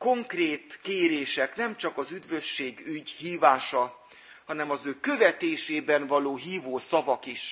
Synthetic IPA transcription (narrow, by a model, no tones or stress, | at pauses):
ko̞ŋkreːt̪keːɾeːʃɛknɛmt͡ʃɒkɒzyd̪vøʃːeːɡyɟhiːvaːʃɒ | hɒnɛmɒzøːkø̞vɛt̪eːʃeːbɛɱvɒloːɦiːvoːsɒvɒkiʃ